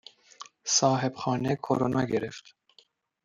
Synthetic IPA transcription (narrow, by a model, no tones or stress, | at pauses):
sɒːɦe̞bxɒːnekʰo̰ɾonʔɒːɟeɾḛft̪